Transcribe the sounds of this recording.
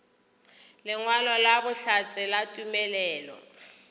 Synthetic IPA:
lɪŋwalɔlabʊɬat͡sʼɪlatʼumɛlɛːlɔ̰

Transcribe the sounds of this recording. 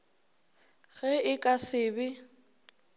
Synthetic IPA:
ɣɛɪkʼasɪːbɪ

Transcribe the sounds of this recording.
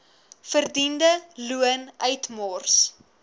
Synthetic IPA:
fərdindəluənœɥtmɔrs

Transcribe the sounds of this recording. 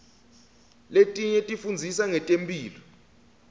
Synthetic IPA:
letʼiɲɛtʼifund͡zʱisaŋɛtʼempʼiːlɔ

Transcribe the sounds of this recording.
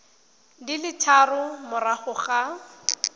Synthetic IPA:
dilɪtʰarʊmʊraχʊχa

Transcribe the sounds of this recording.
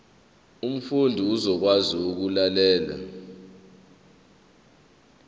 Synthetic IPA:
um̩fundʱiuzɔk̬waziuk̬ulalɛːla̰

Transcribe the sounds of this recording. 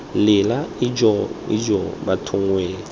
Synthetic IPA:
lɪlaid͡ʒɔḭd͡ʒɔbatʰʊŋweːl

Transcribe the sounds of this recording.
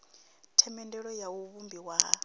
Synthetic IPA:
tʰɛmɛndɛɺɔjawuβumbiwa

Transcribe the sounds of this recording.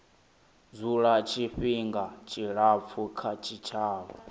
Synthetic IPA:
zuɺat͡ʃʰiɸiŋɡat͡ʃʰʼiɺap̪fʰukʰat͡ʃʰit͡ʃʰaːβɔ

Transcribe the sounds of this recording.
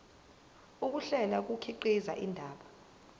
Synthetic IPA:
uk̬uɬɛlak̬ukʰiǃiza̰ʔindʱaːɓa

